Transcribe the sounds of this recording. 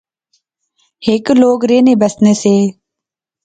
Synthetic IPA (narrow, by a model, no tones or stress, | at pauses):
hɪkloːɡɾeːneːbəsneːseː